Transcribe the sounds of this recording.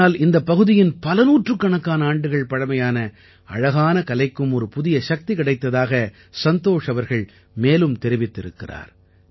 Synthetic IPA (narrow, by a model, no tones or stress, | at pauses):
aːlɪnd̪ɐpːɐɣɯðɪjɪnpɐlɐnuːʈrɯkːɐɳɐkːaːnɐaːɳɖɯɣɐɭpɐɻɐmɐjaːnɐ | ɐ̰ɻɐɣaːnɐkɐlɐɪkːɯmɔɾɯpʊðɪjɐʃɐk̚t̪ikɪɽɐɪt̪ːɐðaːɣɐ | sɐnt̪oːʂɐʋɐɾɣɐɭ | meːlɯmt̪ɛɾɪʋɪt̪ːɪɾɯkːɪra̰ːɾ